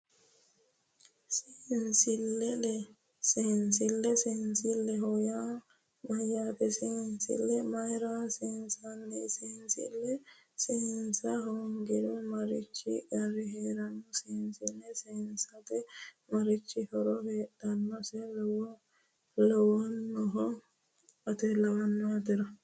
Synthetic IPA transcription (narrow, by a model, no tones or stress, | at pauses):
sɛnsilːɛlɛ | sɛnsilːɛsɛnsilːɛɦɔja | majat̪ɛsɛnsḭlːɛmajɾasɛnsanːisɛnsḭlːɛseːnsɐɦɔŋɡɪd̪ʊmɐɾɪt͡ʃːɪ̰ɡɐrːɪɦeːɾɐnːɔseːnsɪlːɛseːnsɐt̪ɛ | mɐɾɪt͡ʃːɪhɔɾɔheːt̪ːɐnːɔsɛlw | lɔwɐnːɔɦɔ | ɐt̪ɛlɐwɐnːɔat̪ɪɾɐ